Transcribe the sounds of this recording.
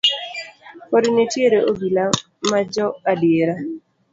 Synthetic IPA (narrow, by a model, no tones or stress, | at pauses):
kɔdnetjeɾeʔoɡila | mad͡ʒɔadjeɾa